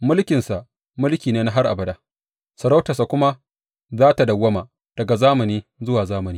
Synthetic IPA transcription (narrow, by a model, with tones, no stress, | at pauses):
mʊ˦lkʲɪ˨nsa˨ʔ | mʊ˦lkʲiː˨neː˦na˦ɦa˦rʔa̰˨bɐ˨daː˨ | sɐ˨ɾa˦wtɐ˨sa˨kʷʊ˦ma˦ | zaː˦ta˨dɐ˨wːɐ˦maː˨ | d̥ɐ˨ɡa˨zaː˦mɐ˨niː˦zʊ˦waː˨zaː˦mɐ˨niː˦